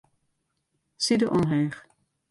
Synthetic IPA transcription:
sidəʔɔmɦɛːχ

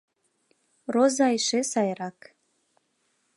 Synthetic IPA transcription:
rozɑjʃesɑjɾɑk

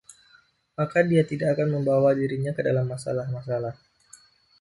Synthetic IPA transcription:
makadiat̪idakːkanməmbawadiɾiɲakədalamːasa̰lahmasalah

